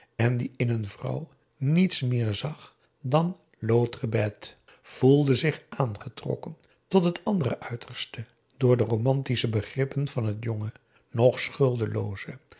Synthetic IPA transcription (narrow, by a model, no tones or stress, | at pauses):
ɛndiɪnənvrʌ̰w | nitsmɪːɹzɑχ | dɑn | lowtrəbɛt | v̥ulˠdəzɪχʔaːnχətrɔ̰kən | tɔtɦətʰɑndərə̰ʔœɥtʰəɹstə | dʊːɹdəromɑntisəbəχrɪpənv̥ɑnɦətjɔŋə | nɔχsχɵlˠdəlo̰wzə